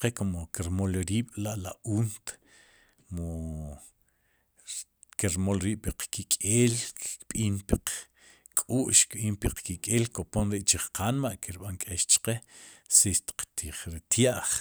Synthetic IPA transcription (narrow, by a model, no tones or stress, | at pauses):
qekomokiɾmolɾiːɓ̥laʔlauːnt̪ | mo | kiɾmolɾiːʔpiqkikʼeːlkɓiːnpiq | kʼuːʔʃkɓiːnpiqkikʼeːlkoponɾiʔt͡ʃiχqʰanmaʔkiɾɓaŋkʼeʃt͡ʃqesiʃt̪i̥qt̪iχɾit̪jaʔχ